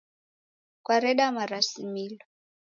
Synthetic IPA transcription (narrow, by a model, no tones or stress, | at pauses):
kwaɾɛɗamaɾasimilɔ